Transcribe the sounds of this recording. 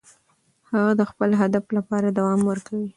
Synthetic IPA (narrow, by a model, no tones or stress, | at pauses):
haɣad̪əxpəlɦad̪aflapɑɾad̪awɑmwəɾkawi